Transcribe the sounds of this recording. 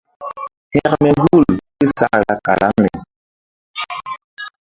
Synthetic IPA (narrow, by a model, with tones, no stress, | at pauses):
hɛ˦˨kmɛ˨ɡu˦˨lki˦sa˦ɾa˦ka̰˨la̰˦ŋnɛ˨